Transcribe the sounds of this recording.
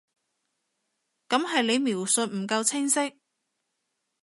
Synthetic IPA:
kɐ˨˥mɦɐ˨jle˨˧jmiː˨˩wsɵ˨t̚m̩˨˩kɐ˧wt͡sʰɪ˥ŋsɪ˥k̚

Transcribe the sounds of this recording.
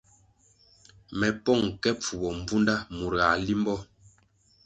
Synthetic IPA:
mɛ˨pɔ˦˨ŋkɛ˦p͡fu˨bɔ˨m̩˦b͡vu˦nda˦mu˨ɾa˨li˦mbɔ˦

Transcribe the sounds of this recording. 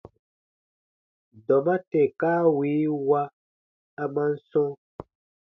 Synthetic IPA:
dɔ˨mã˦tɛ˨kaː˦wiː˨˦wa˦ | a˨mã˦n̩˦sɔ̃˦

